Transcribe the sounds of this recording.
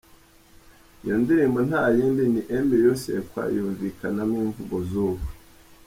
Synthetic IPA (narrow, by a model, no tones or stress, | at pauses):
joːndiɾembon̥haːjiːmbiniʔembejosḛkwa̰ːjuːɱvikanamiːɱvuɡozuːβe